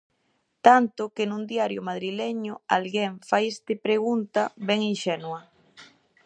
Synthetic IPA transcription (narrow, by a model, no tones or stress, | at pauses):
t̪ant̪ʊkenũnd̪iaɾjomað̞ɾileɲʊa̰lɣeŋfajist̪ɪpɾeɣunt̪aβɛŋinʃɛnwɐ